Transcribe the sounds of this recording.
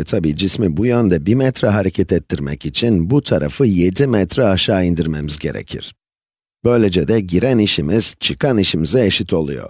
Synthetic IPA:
ɛt̪ʰabiːd͡ʒismibujønd̪ɛbimɛt̪ɾɛɦaɾecʰɛt̪ɛt̪ʰːiɾmɛ̰cit͡ʃʰinbut̪ʰaɾa̰fɯje̞d̪imɛt̪ɾɛaʃaːind̪iɾme̞mizɟe̞̰ɾḛcʰḭɾ̥ | b̥ø̞jlʲe̞d͡ʒɛd̪ɛɟiɾæniʃimiz̥t͡ʃʰɯkʰaniʃimizɛeʃit̪ʰo̞lˠṵjo̰ɾ̥

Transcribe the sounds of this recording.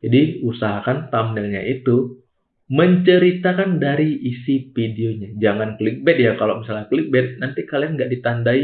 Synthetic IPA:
d͡ʒadiusaɦakant̪amnɛlɲa̰ʔit̪u | məɲt͡ʃəɾit̪akandaɾiːsipideoɲad͡ʒaŋanklik̚bɛt̪̚jakalomisalaklik̚bɛt̪̚nant̪ikalianɡaʔdit̪andai

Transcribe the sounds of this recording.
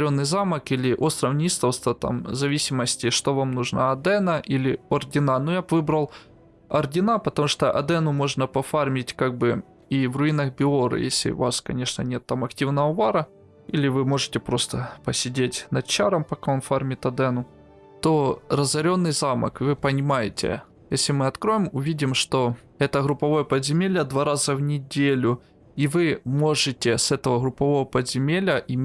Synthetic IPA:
ɾʲo̞nːɨjzaməkilʲɪʔost̪ɾɐvnʲist̪əwst̪vɐt̪a̰mzɐvʲisʲɪməsʲtʲɪʂt̪o̞vamnuʐna̰ɐd̪ɛnɐʔilʲɪordʲɪnanujabvɨbɾɐlˠ | ɐrdʲɪnapət̪ɐmuʂt̪oʔɐ̰d̪ɛnʊmo̞ʐnəpɐfarmʲɪtʲkaɡ̚bɨ | ivrʊinɐxbʲɪoɾɨ̰jesʲlʲɪ̰ʊ̰vaskɐnʲe̞ʂnə̰nʲe̞t̪ːamɐktʲivnəvəʊvaɾə | ilʲɪvɨmo̞ʐɨtʲɪpɾo̞st̪əpəsʲɪdʲetʲnɐt͡ɕːaɾəmpɐkaonfarmʲɪt̪ɐd̪ɛnʊ | t̪o̞rəzɐɾʲo̞nːɨjzamə̰kɨvɨpənʲɪmajɪtʲɪ̰ | jesʲlʲɪmɨɐt̪kɾo̞jɪmʊvʲidʲɪmʂt̪o̞ | ɛt̪əɣɾʊpːɐvo̞jəpədzʲɪmʲelʲəd̪vaɾazəvnʲɪdʲelʲʊ | ivɨmo̞ʐɨtʲɪsɛt̪əvəɣɾʊpːɐvo̞vəpəzʲɪmʲelʲəʔɪmʲ

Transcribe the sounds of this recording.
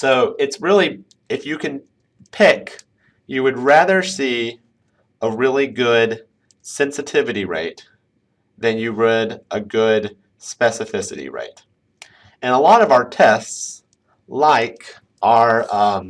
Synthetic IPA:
soʊɪtsɹɪlˠi | ɨfjɨkʰɨ̃n | pʰɪk | jɨwɨd̚ɹæðə˞si | əɹɪlˠiɡʊd | sɛ̃nsɨtʰɪvɨɾiɹḛɪt̪̚ | ðɨ̃njɨɹəɾəɡʊd | spɛsɨfɪsɨ̰ɾḭɹḛɪt̚ | ɨ̃nəlɔɾʌvaʊə˞tʰɛsts | laɪk | ʔə˞ʌ̃m

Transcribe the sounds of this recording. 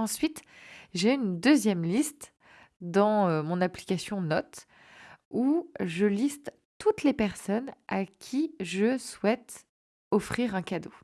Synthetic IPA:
ɑ̃sɥit̪ʒeynd̪øzjɛmlist̪ | d̪ɑ̃ømɔ̃napli̥kasjɔ̃nɔt̪ | uʒəlist̪ | t̪ut̪lepɛʁsɔnakʲʰiʒəswɛt̪ | ɔfχiʁɛ̃kad̪o

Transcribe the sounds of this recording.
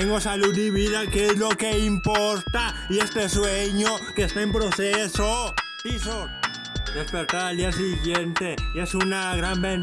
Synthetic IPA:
eŋɡosaluðiβiðakeezlo̞ke̞impoɾt̪aie̞st̪esweɲokest̪aempɾoseso | piso | d̪espeɾt̪aɾald̪ias̬iɣjent̪e̞esunaɣɾamben

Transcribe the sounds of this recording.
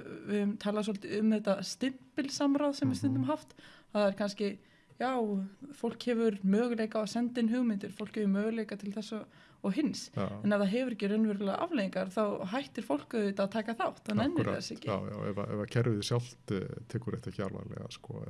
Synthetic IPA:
vɪðʏmt̪ʰaːlas̬ɔlt̪ɪʏmðɛt̪ːast̪ɪn̥pɪlsamɾawðsɛmvɪst̪ɪnt̪ʏmɦaft̪aθaðɛɾ̥kʰanscɪ | jaːwfowl̥khɛvʏɾmœːɣʏleːjkaasɛnt̪ɪnɦʏɣmɪnt̪ɪɾ̥fowl̥khɛvʏɾmœːɣʏlejkat̪ʰɪlθɛsːa | ɔɣɦɪnsɛnaθaɦɛvʏɾɛhcːɪrœnvɛɾʏlaʔa̰vleːjĩŋkaɾθawɦajht̪ɪɾ̥fowl̥kʏɪt̪aðt̪ʰaːkaθawht̪aðnɛnːɪɾθɛ̰sɛcːɪaja̰wɛ̰va̰ɛ̰vacʰɛɾvɪðɪsjawl̥t̪t̪ʰɛːkʏɾɛ̰ht̪aça̰lva̰lɛ̰ɣa̰skɔ

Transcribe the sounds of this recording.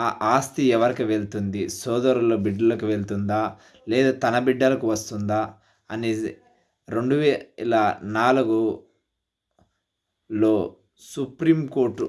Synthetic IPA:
aʔaːst̪iɛʋɐɾikiʋeɭt̪und̪isɔːd̪ɐɾulo̞ːbiɖːɐlɐkuʋe̞ɭt̪und̪aː | lɛːd̪aːt̪ɐnɐbiɖːɐlɐkuʋɐst̪und̪aː | ɐni | ɾe̞ɳɖuʋɛlɐnaːluɡu | lo̞ː | supɾiːmkoːɾʈːu

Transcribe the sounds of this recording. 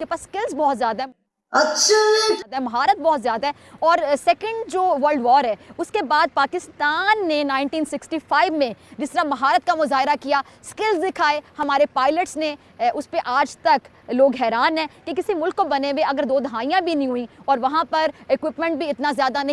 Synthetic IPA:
kepaːsːkɪlzbɔːt̪zjaːd̪aɦɛ | ɐtːʃʰad̪aɦɛmɐɦaːɾət̪̚bɔːt̪zjaːd̪aɦɛː | ɔːɾsɛːkə̃ɳɖd͡ʒoːʋəɾlɖʋɔːɾɦɛːʊskebaːd̪̚paːkɪst̪aːnːenãːɪɳʈiːnsɪksʈiːfaːɪʋmẽd͡ʒɪst̪əɾamɐɦaːɾət̪̚kamʊzaːɦɪɾakijaːskɪlzd̪ɪkʰaːehɐmaːɾepaːɪləʈsne | ʔʊspeʔaːd͡ʒt̪ɐk | loːɡɦɛːɾaːnɦɛ̃ːkek̬ɪsimʊlkːobɐneʋeɐɡəɾd̪oːd̪ʱɐɦaːijãbʱinɐɦĩɦʊĩɔːɾʋɐɦãpɐɾɪkʋɪpmɛ̃ɳʈ̚bʱiɪt̪nazjaːd̪anɐɦ

